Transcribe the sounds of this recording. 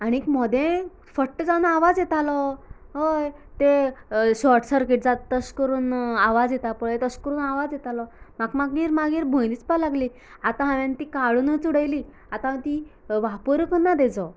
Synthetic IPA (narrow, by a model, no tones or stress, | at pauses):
aniikmɔd̪ʱẽ | fəʈːəd͡zãwnaaʋad͡zjet̪alɔ | ɦəjt̪eɕɔɾʈsəɾkeʈ̚d͡zat̪t̪əskəɾuːnaʋad͡zjet̪apəɭet̪əskəɾuːnaʋad͡zjet̪alɔmakmaɡʋiːɾmaɡiːɾbʱõjd̪it͡spalaɡliː | at̪ãɦãʋjant̪iːkaɭunət͡suɽəjliː | at̪ãt̪iʋapəɾjukənːad̪ed͡zɔ